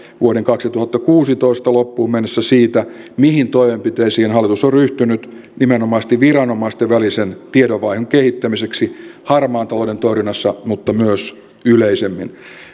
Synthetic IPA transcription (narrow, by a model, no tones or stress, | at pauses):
ʋuoɾeŋkɑksit̪uhɑt̪ːɑkuːsit̪oist̪ɑlopːuːmenːesːæsiːt̪æmihint̪oiʋempit̪eisiːnhɑlːˑit̪usorryht̪ynyt̪ | nimenomɑːst̪iʋʋirɑnomɑist̪eʋʋælisent̪iedoʋɑihoŋkehit̪ːæmiseksihɑrmɑːnt̪ɑlodent̪oirinːɑsːɑmut̪ːɑmyøs | yleisemːḭn